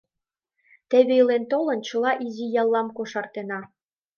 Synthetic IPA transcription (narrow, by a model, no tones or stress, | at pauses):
t̪æ̆βelent̪olɤ̆nt͡ɕɤ̆lˠɑʔizijɑlˠːɑmkoʃɑrt̪enɑ